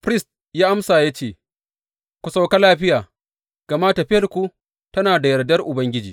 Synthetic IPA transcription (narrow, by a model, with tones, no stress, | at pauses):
ɸɾɪ˦˨st̚ | jaː˦ʔa˦msaː˨ja˦t͡ʃeː˦˨ | kʷu˨sa˦wka˦laː˦ɸɪ˦jaː˨ | ɡ̥ɐ˨maː˦tɐ˨ɸɪ˦jɐ˨rkʷu˦ | tɐ˦naː˨da˨jɐ˨rdɐ˦rʔʊ˨bɐ˦ŋɡʲɪ˦d͡ʒiː˨